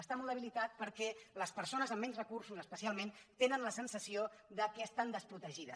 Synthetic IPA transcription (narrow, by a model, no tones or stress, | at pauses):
əst̪amɔlˠd̪əβilit̪at̪̚pəɾkɛləspəɾsonəzəmːɛɲzrəkursuzəspəsialˠment̪enənləsənsəsioðəkɛəst̪and̪əspɾut̪əʒiðəs